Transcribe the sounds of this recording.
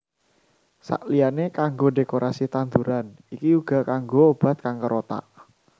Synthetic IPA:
sa̰ʔlijanekaŋɡodekoɾʔasit̪ant̪uɾan | ikiuɡ̥a̤kaŋɡoːb̥a̤t̪̚kaŋkəɾot̪a̰ʔ

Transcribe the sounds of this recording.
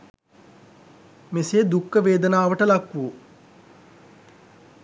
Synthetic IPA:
meseːd̪ukːəʋeːd̪ənaːʋəʈəlakːʋuu

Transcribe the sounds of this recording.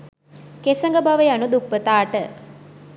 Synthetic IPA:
kesɐŋɡəbaʋəjanud̪upːət̪aːʈə

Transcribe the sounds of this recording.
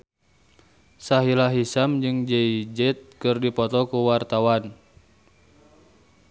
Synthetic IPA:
saɦilaɦisamd͡ʒɨŋd͡ʒɛid͡ʒɛt̪̚kɨrdipɔt̪ɔkuwart̪awan

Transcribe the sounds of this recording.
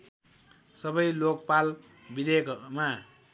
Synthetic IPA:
sʌbʌjlok̚pal | bid̪ekma

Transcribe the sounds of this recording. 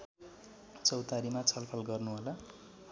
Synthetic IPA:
t͡sʌwt̪aɾimat͡sʰʌlpʰʌlɡʌrnuɦola

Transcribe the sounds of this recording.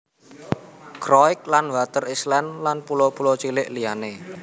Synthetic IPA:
kɾɔɪk̚lanwat̪ərislɛnlanpulopulot͡ʃilɪʔlijane

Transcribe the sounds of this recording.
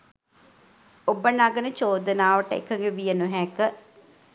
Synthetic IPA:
obənaɡənət͡ʃoːd̪ənaːʋəʈəḛkʰəŋɡeʋijənuɦɛkə

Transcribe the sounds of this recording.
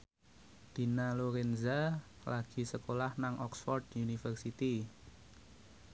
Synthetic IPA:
d̪̥i̤naloɾɛnza | laɡ̥i̤səkolahnaŋɔksfɔrd̪unifərsit̪i

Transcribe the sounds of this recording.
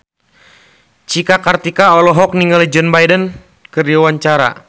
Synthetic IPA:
t͡ʃikakart̪ikaɔlɔɦɔk̚niŋalid͡ʒɔnbajdən | kəriawaɲt͡ʃaɾa̰

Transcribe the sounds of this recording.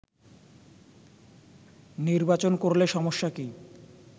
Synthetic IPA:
niɾbat͡ɕonkoɾleʃɔmoʃːaki

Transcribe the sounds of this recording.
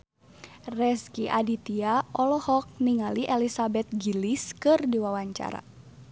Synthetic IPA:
rɛskiʔadit̪iaʔɔlɔhɔk̚niŋaliʔɛlisabɛt̪̚ɡiliskɨrdiwawaɲt͡ʃa̰ɾa̰

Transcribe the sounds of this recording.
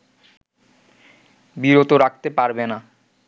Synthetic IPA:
biɾot̪oɾak̚t̪epaɾbena

